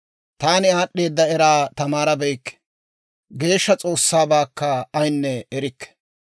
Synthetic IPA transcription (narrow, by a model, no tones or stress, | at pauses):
t̪aːnɪaːɗːe̞ːd̪ːɐɛɾaːt̪ɐmaːɾɐbɛjkːɛ̥ | ɡe̞ːʃːɐt͡sʼo̞ːsːaːbaːkːɐɐjnːɛɛɾɪkːɛ̥